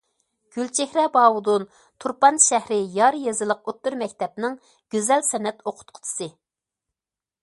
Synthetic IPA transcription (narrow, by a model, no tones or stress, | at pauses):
ɡ̥ʲylt͡ʃʰehɾɛbɑːwud̪un | t̪ʰuɾpɑnʃæhɾɪjɑɾjezɨlˠəq̚ot̪ːyɾmɛkʲt̪ʰɛp̚nɪŋ | ɡ̥ʲyzɛlsɛnɛt̪oqʰʊ̥t̪̚qʰʊ̥t̪ʰɨ̥sɨ